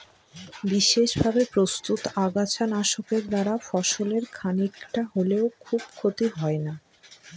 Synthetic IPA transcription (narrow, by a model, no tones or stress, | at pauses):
biʃeʃbʱabepɾost̪ut̪aɡat͡ɕʰanaʃokeɾd̪aɾafɔʃoleɾkʰanikʈaɦoleokʰub̚kʰot̪iɦɔena